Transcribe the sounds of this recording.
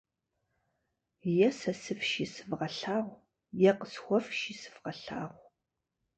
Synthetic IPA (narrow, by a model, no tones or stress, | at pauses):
jɛsɐsɨfʃisɨvʁɐɬaːʁʷ | jɛqəsxʷɔfʃisɨ̥v̥ʁɐɬa̰ːʁʷ